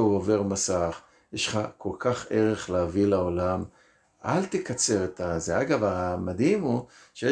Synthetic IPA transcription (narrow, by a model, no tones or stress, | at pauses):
uove̞ʁmasaχ | jeʃχakʰo̞lkaχeʁe̞χleavilaolam | ʔalt̪ekat͡se̞ʁet̪azeaɡavamad̪imu | ʃeje